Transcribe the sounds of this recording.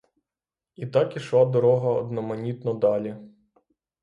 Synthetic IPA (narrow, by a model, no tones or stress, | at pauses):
it̪ɑkiʃlˠad̪ɔɾɔɦɐɔ̰d̪nɔmɐnʲit̪nɔd̪ɑlʲi